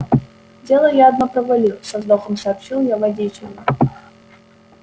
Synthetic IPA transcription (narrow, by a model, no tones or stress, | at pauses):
dʲe̞lˠəjaɐd̪nopɾəvɐlʲisɐzd̪oxəmsɐːpɕilˠjavɐdʲet͡ɕʲɪlʲɪ